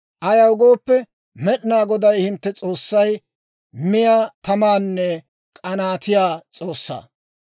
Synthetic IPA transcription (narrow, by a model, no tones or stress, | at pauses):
ʔɐjɐwɡoːpːɛ | mɛɗɪnaːɡɔd̪ɐjhɪnt̪ːɛt͡sʼo̞ːsːɐj | mɪjaːt̪ɐmaːnːɛ | kʼɐnaːt̪ɪjaːt͡sʼo̞ːsːa̰ː